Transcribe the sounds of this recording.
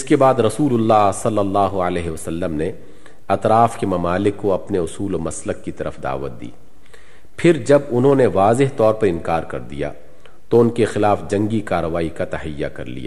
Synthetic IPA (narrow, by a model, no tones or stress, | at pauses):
ɪskebaːd̪ɾɐsuːlʊlːaːɦsɐlːəlːaːɦoəlɛːɦeɐsɐlːəmne | ɐt̪ɾaːfkemɐmaːlɪkːoɐpneʊsuːlomɐsləkːit̪ɐɾʔəfd̪a̰ːʋət̪̚d̪ḭː | pʰɪɾd͡ʒɐbʊnɦõːneʋaːzɪɦt̪ɔːɾpɐɾɪ̃nkaːɾkɐɾd̪ḭja̰ | t̪oʊnkexɪlaːfd͡ʒɐ̃ŋɡikaːɾəʋaːikat̪ɐɦɪjːa̰kɐ̰ɾlḭja̰ː